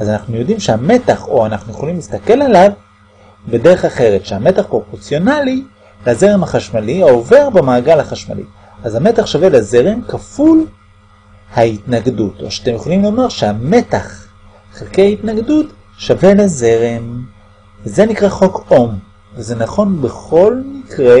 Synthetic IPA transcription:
azanaχnujo̞dimʃehame̞taχo̞anaχnujeχolimlist̪ake̞lalav | be̞de̞ʁeχaχe̞ʁetʃeame̞taχpʁo̞po̞ʁt͡sjo̞nali | laze̞ʁemhaχaʃmaliaove̞ʁbemaːɡalaχaʃma̰lḭ | ʔazame̞taχʃavelazeʁemkaful | haitnaɡduto̰ʃat̪emjeχolimlo̞maʁʃeame̞taχ | χelkejaitnaɡdut | ʃave̞laze̞ʁem | veze̞nikʁaχo̞ko̞m | veze̞naχo̞nbe̞χo̞lmikʁe

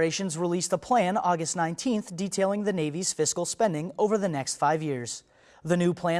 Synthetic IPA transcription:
eɪʃɨ̃nzɹilistəpʰl̥æ̃nɔɡɨstⁿnãɪ̃ntʰĩnθd̥itʰeɪlˠɪ̃ŋðɨneɪviz̥fɪskl̩ˠspɛ̃ndɪ̃ŋoʊvə˞ðɨnɛkstfaɪvjɪɹz̥ | ðɨnʉpʰl̥æ̃

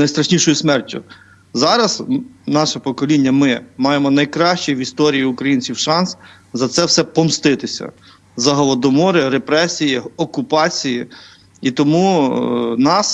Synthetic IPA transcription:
nɐjst̪ɾɐʃnʲiʃɔjʊsmɛrtʲːʊ̰ | zɑɾɐznɑʃɛpɔkɔlʲinʲːɐmɪmɑjemɔnɐjkɾɑʃt͡ʃijʋist̪ɔɾʲijiʊkɾɐjinʲt͡sʲiwʃɑns | zɐt̪sɛwsɛpɔmst̪ɪt̪ɪsʲɐ̰ | zɐɦɔlˠɔd̪ɔmɔɾɪɾepɾɛsʲijiɔkʊpɑt͡sʲiji | it̪ɔmu | nɑs

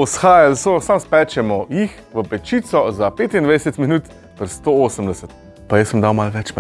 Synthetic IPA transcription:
ɔsxaːjalsosamspɛːt͡ʃɛmɔjix | ʋəpɛt͡ʃiːt̪sɔzapeːt̪ind̪ʋajd̪ɛsɛt̪minuːt̪ | t̪əɾst̪ooːsəmd̪ɛsɛt̪ | pajəsəmd̪awmalʋɛt͡ʃm

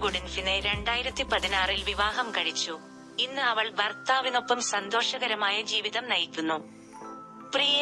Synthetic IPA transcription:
ɡoɽinfineɾe̞ɳɖaːjiɾɐt̪ːipɐðinaːrilʋiʋaːɦɐmkɐɻit͡ɕːu | inːɨɐʋɐɭʋɐrt̪aːʋino̞pːɐmsɐnd̪o̞ːʂɐɣɐɾɐmaːjɐd͡ʑiːʋiðɐmnɐjikːunːu | prijɐ

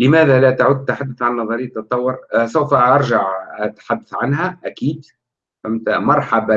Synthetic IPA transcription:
lɪmæːðælæt̪aʕʊd̪̚ːt̪ːaħad̪ːʊθʕannːɑðˤɑɾɪjːt̪ːɨt̪ˤːɑwːɑɾsawfaʔɑɾˤʒaʕat̪ħad̪ːaθʕanɦæʔækiːd̪ | fæmt̪amɑɾˤħaba

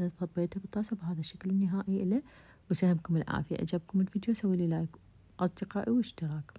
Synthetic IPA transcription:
aθɑt̪̚ˤbeːt̪habɨt̪ˤːɑːsˤɑbɦaːðaʃːaklɪnːɪɦaːʔiʔɪla | wsahɪmkʊmɪlʕa̰ːfɪja̰ʔa̰d͡ʒab̚kʊmɪlfiːd̪josawːilɪlaːjk | ʔɑsˤd̪ɪqɑːʔiwɪʃt̪ɪɾɑːk

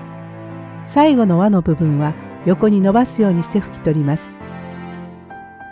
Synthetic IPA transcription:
saiɡo̞no̞βano̞bɯ̟bɯ̟̃ɰ̃βa | jo̞ko̞ɲ̟ino̞basɨjo̞ːɲ̟iɕi̥t̪eɸɯ̟̥kʲi̥t̪o̞ɾʲimasɨ̥

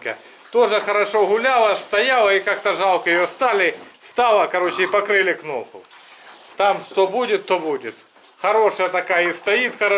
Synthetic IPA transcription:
kɐ̰ | t̪oʐɨxɐɾɐʂoɣʊlʲalˠɐst̪ɐjalˠɐikak̚t̪ɐʐɑlˠkɐjɪjost̪alʲɪst̪ɑlˠɐkɐɾo̞t͡ɕɪipɐkɾɪlʲɪknopʊ̰ | t̪amʂt̪obudʲɪt̪ːobudʲɪt̪ | xɐɾoʂəjɐt̪ɐkajist̪ɐjit̪xɐɾ

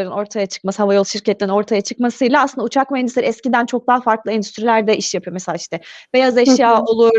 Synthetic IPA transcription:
ɾɯno̞ɾt̪ʰajat͡ʃʰɯ̥k̚mashavajo̞lˠʃiɾcɛt̪lʲeɾino̞ɾt̪ʰajat͡ʃʰɯkmasɯjlʲˠaːsɯnd̪aut͡ʃʰakmaɛnd̪yseɾɛscid̪ænt͡ʃʰo̞k̚d̪aɦafaɾklˠɯɛnd̪yst̪ɾilʲæɾd̪ɛʔiʃjapʰɯjo̞meseaiʃt̪ɛbejazɛʃjaːo̞lˠu

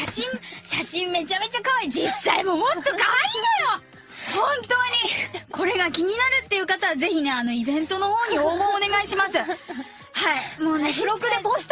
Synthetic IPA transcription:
aɕĩŋɕaɕĩmme̞t͡ɕame̞t͡ɕakaβaid͡ʑisːaimo̞mot̪ːokaβaiajo | hõnt̪o̞ːɲ̟iko̞ɾe̞ɡakʲiɲ̟inaɾɯ̟t̪ːe̞iɯ̟kat̪aβaze̞çine̞ano̞ibẽ̞nt̪o̞no̞ho̞ːɲ̟ioːɡoːne̞ɡaiɕimasɨ | haimoːnekiɾokɯ̟d̪e

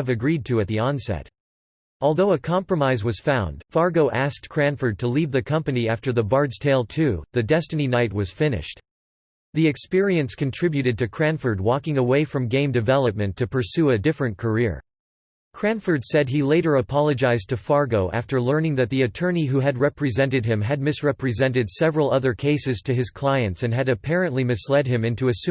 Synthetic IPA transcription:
ɨvɨɡɹid̚tʰɨɨt̪̚ðiɑ̃nsɛ̰ɾ | ɔlˠðoʊəkʰɑ̃mpɹəmaɪzwʌz̥fãʊ̃nd̥fɑɹɡoʊʔæsk̚tkʰɹ̥æ̃ɱfə˞d̚tʰəlivðɨkʰʌ̃mpɨniæftə˞ðəbɑɹdz̥tʰeɪlˠtʰʉðɨdɛstɨninaɪt̚wʌz̥fɪ̃nɪ̰ʃt | ðiɨkspɪɹiɨ̃nskɨ̃n̩tʰɹ̥ɪbjʉɾɨd̚tɨkʰɹ̥æ̃nfə˞d̚wɔkɪ̃ŋəweɪfɹʌ̃mɡẽɪ̃mdɨvɛlˠəp̚mɨ̃ntʰɨpʰə˞sʉɨdɪfɹɨ̃nkʰə˞ɪɹ | kʰɹ̥æ̃nfə˞dsɛd̚ileɪɾə˞əpʰɑlˠəd͡ʒaɪztʰɨfɑɹɡoʊʔæ̰ftə˞lɜ̃˞nɪ̃ŋðɨt̪̚ðiɨtʰɜ̃˞niɦuɨd̚ɹɛpɹizɛ̃ntɨd̚ɪ̃mɨd̚mɨsɹɛpɹɨzɛ̃ntɨdsɛvɹl̩ˠʌðə˞kʰeɪsɨz̥tʰɨɨz̥kʰl̥aɪɨ̃ntsɨ̃nɨɾɨpʰɛɹɨ̃nʔlimɨslɛd̚ɨ̃mɪ̃ntuɨs

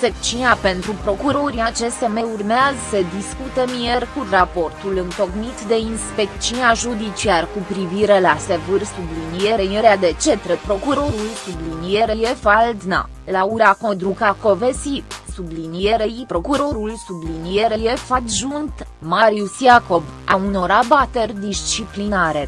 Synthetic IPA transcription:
ekt͡ʃinape̞nt̪ɾupɾo̞kuɾo̞ɾiat͡ʃe̞st̪eme̞urmeazəsəd̪iskut̪emijerkurapo̞rt̪ulɨnt̪o̞knit̪d̪e̞inspek̚t͡ʃinaʒud̪it͡ʃiarkupɾiviɾe̞lase̞vɨrsublinijeɾejeɾead̪e̞t͡ʃe̞t̪ɾepɾo̞kuɾo̞ɾulsublinijeɾejefald̪na̰ | lauɾakod̪ɾukako̞vesisublinijeɾeipɾo̞kuɾo̞ɾulsublinijeɾeje̞fad̪ʒunt̪ | maɾiusjako̞vauno̞ɾabat̪e̞rʲd̪ist͡ʃiplinaɾe̞

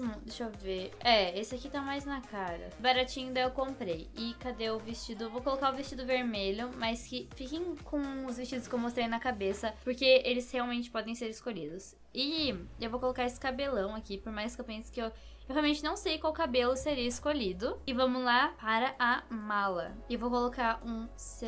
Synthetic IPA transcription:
mɐ̃d̪eʃoveɾɛesɪakit̪amajznɐkaɾɐ̰baɾat͡ʃĩɲʊ̃d̪aewkõmpɾejɪkad̪eʊvist͡ʃid̪ʊevowkolokaʊvist͡ʃid̪ʊveɾmeʎʊmɐskɪfikẽj̃kõʊzvist͡ʃid̪ʊskewmost̪ɾej̃nɐkabesɐpoɾkeelɪsheawmẽnt͡ʃɪ̥pɔd̪ẽj̃seɾɪskoʎid̪ʊs | ɪewvowkolokaɾesɪ̥kabelɐ̃w̃akipoɾmajskewpẽsʊ̥kɪew | ewhɦeawmẽnt͡ʃɪnɐ̃w̃sejkwawkabelʊseɾiɐiskoʎid̪ʊɪvɐ̃mʊlapaɾɐʔɐmalɐ̰evowkolokaũ | se

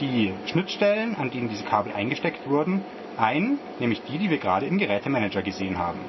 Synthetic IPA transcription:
d̥iːʃnɪtʃtɛlənʔandeːnəndiːzəkʰaːbl̩ʔa̰ɪnɡəʃtɛktv̥ʊɐdn̩ | ʔaɪnə | nɛːmlɪçd̥iːdiːviːɐɡəʁaːɾəɪmɡəʁɛːtəmɛnɛd͡ʒɐɡəzeːənɦa̰ːbm̩

